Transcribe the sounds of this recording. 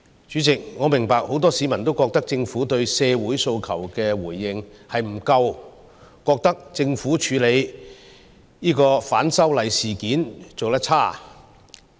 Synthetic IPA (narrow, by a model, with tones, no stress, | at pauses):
t͡ʃyː˨˥t͡sɪ˨k̚ŋɔː˨˧mɪ˨˩ŋpaː˨k̚ho˨˥wt̪ɔː˥siː˨˥mɐ˨˩nt̪̬o˥wkɔː˧k̚t̪ɐ˥k̚t͡sɪ˧ŋfuː˨˥t̪ɵ˧ɥsɛː˧wuː˨˥jso˧wkʰɐ˨˩wkɛː˧wuː˨˩jːɪ˨˧ŋhɐ˨jm̩˨˩kɐ˧w | kɔː˧k̚t̪ɐ˥k̚t͡sɪ˧ŋfuː˨˥t͡ʃʰyː˨˧˥le˨˧j | jiː˥kɔː˧faː˨˥nsɐ˥wlɐ˨˧jsiː˨˩kiː˨˥nt͡so˨wt̪ɐ˥t̚t͡sʰaː˥˩